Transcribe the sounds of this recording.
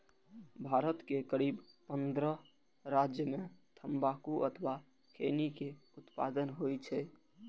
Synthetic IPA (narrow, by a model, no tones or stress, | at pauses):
bʱaɾət̪kekəɾibpənd̪ɾə | ɾad͡ʒjəmet̪ʰəmbakuʔət̪ʰba | kʰenikeut̪pa̰d̪ənɦojt͡ʃʰɛ